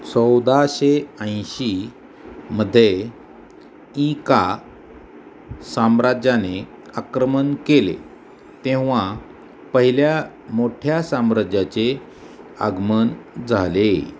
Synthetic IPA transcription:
t͡səwd̪aɕeə̃j̃ɕi | məd̪ʱːje | ĩka | samɾad͡ʑjane | akɾəmənkelḛ | t̪ẽʋ̤a | pəɦiljamoʈʰjasamɾad͡ʑjat͡se | a̰ɡmənd͡zʱale

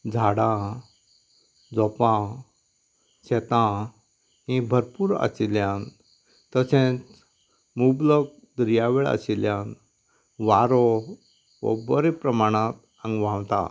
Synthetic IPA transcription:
d͡zʱaɽã | d͡zɔpã | ɕɛt̪ã | ɦĩbʱəɾpuɾə̰siljãn | t̪əsẽt͡s | mublək̚d̪ɾijaʋeɭə̰ɕiljãn | ʋaɾɔ | ʋə̰bəɾepɾəmaɽ̃ãt̪ | ə̃ŋɡʋãwt̪a̰

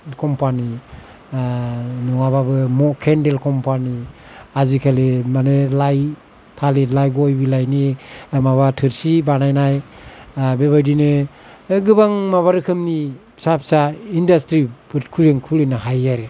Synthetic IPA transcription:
kʰɔmpani | nɔŋababɯmɔkʰendelkʰɔmpani | azikʰalemanelaj | tʰalelajɡɔjbilajnimaβatʰɯɾsibanajnaj | beβajdinɯ | ɡɯbaŋmaβaɾɯkʰɯmni | sap̚saindastɾibɯt̚kʰuleŋkʰulenɯɦajaɾe

